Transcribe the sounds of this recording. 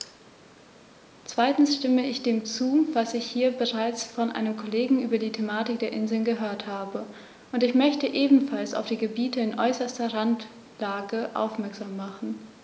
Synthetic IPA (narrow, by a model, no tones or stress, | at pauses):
t͡sv̥aɪtn̩sʃtɪməɪçd̥eːmt͡suːvasɪçhiːɐbəʁaɪt͡sfɔnʔa̰ɪnəmkʰoleːɡŋ̩ʔyːbɐdiːtʰemaːtɪk̚d̥eːɐʔɪnzl̩nɡəɦøːɐthaːbə | ʔʊntɪçmœçtəʔeːbm̩falsa̰ʊfd̥iːɡəbiːtəɪnʔɔʏsɐstɐʁant | laːɡəʔa̰ʊfmɛɐkz̥aːmːaχn̩